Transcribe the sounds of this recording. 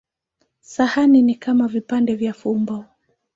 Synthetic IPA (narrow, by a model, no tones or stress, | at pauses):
sahaninikamavipandɛvjafumbɔ